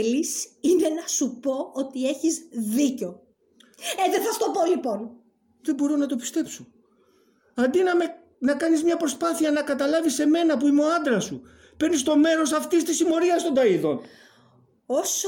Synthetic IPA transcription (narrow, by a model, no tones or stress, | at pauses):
lisinenɐsupo̞ot̪ie̞çizðiceo̞ | eðeθɐst̪opolipo̞n | ðebo̞ɾo̞nɐt̪o̞pi̥st̪e̞pso | ɐnd̪inɐme | nɐkɐnizmɲɐpɾo̞spɐθiɐnɐkɐt̪ɐlɐvise̞me̞nɐpuimo̞ɐnd̪ɾɐsu | pe̞ɾnist̪o̞me̞ɾo̞sɐft̪ist̪isimo̞ɾiɐst̪o̞nd̪ɐiðo̞n | os